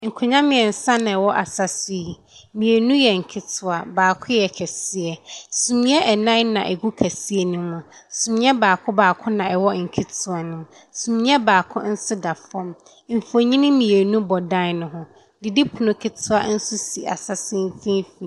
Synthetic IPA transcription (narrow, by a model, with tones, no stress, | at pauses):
ŋ̩˨kʰʊ˨ɲã˦mɪ̃˨ɛ˨n̩˨sã˦nã˨ɛ˨wɔ˦ʔa˨sa˨si˦˨ | mĩ˨e˨nũ˦jɛ˨ŋ̩˨kʰɪ˦tʰʊ˨a˨baː˨kʰʊ̃˦jɛ˨kʰɛ˨si˦ɛ˨sũ˨mĩ˦ɛ˦ʔɛ˨nã˦nã̰˨ʔɛ̰˨ɡu˦kʰæ˨si˦ɛ˦nũ˦mã˨sũ˨mĩ˦ɛ˦baː˨kʰʊ̃˦baː˨kʰʊ̃˦nã˨ɛ˨wɔ˦ŋ̩˨kʰɪ˦tʰʊ˦a˨nʊ̃˦ | sũ˨mĩ˦ɛ˦baː˨kʰʊ̰̃˦n̩˦sʊ˦da˨fɔ̃˦m | m̩˨fo˨ɲĩ˦nɪ̃˦mĩ˨e˨nũ˦bɔ˨dã˦nʊ̃˦ɦʊ̃˦ | dɪ˨di˦pʰu˨nʊ̃˨kʰɪ˨tʰʊ˦a˦n̩˦sʊ˦si˨ʔa̰˨sa˨sɪ̃˦n˦fĩ˦fĩ˨